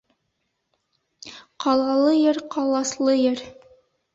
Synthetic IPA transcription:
qɑlˠɑlˠɤjɤɾqʰɑlˠɑslˠɤjɤɾ

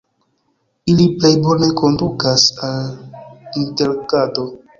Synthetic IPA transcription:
iliple̞jbo̞ne̞ko̞ndukasal | inte̞lkado̞

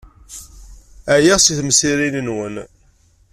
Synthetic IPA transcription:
æjæsiθməsiɾininwən

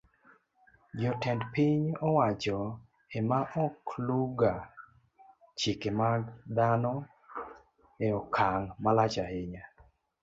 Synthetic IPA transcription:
d͡ʒɔtɛndpiɲɔwat͡ʃɔ | emaʔɔkluɡa | t͡ʃikemaɡd̪anɔ | eɔkʰaŋmalat͡ʃaheɲa

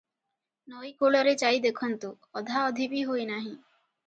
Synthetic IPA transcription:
nɔjkoɭoɾet͡ɕajd̪ekʰɔnt̪o | ɔd̪ʱaɔd̪ʱibiɦojnaɦĩ

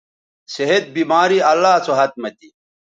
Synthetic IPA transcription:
seɦet̪̚biːmaːɾiɐlːaːt͡sʰoɦɐt̪̚mɐt̪i

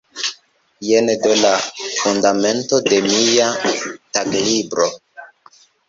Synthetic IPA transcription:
jenedolafundame̞ntode̞mijataklibɾo

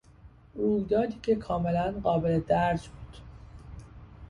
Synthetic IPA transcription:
ʔuːjd̪ɒːd̪iːcʲʰe̞kʰɒːme̞lænɢɒːbeled̪æɾd͡ʒbuːd̪̥

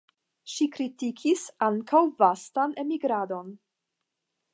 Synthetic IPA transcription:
ʃikɾitikʰisaŋkʰawvastane̞miɡɾado̞n

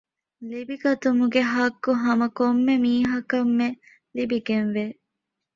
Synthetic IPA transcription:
libiɡɐt̪umuɡeɦɐɡːuɦɐmɐkomːemiːɦɐkɐmːe | libiɡenʋe

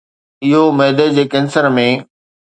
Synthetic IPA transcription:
ɪɦomɛːd̪əd͡ʑeːkɛ̃ːnsəɾmẽ

